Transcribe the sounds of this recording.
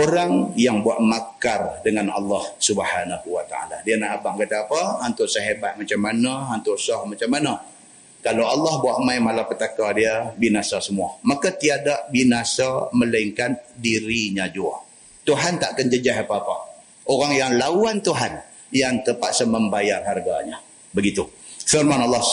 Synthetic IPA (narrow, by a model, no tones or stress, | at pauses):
oɾaŋjaŋbuaʔ̪makardəŋanɑ̰lːɑhsubəhanahuwat̪a̰a̰la̰dianaɦabaŋkat̪aːpaːnt̪ʊʔsəɦebat̪̚mat͡ʃamːanaant̪ʊʔsɔhmat͡ʃamːana | kalawalːɑhbuaʔmajmalapət̪akadiəbinasasəmuamakat̪iadaʔbinasaməlaiŋkan̚diɾiɲad͡ʒua̰ | t̪uɦant̪aʔkənd͡ʒəd͡ʒaɦapaːpa | ʔoɾaŋjaŋlawant̪uɦan | jaŋt̪əpat̪səməmbajarɦarɡa̰ɲa | bəɡit̪u | fɪrmanɑlːɑh